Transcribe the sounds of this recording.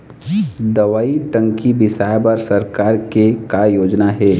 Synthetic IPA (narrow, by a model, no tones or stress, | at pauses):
d̪ɐʋaːiʈə̃ŋkibɪsaːjbəɾsɐɾkaːɾkekajoːd͡ʒnaɦɛː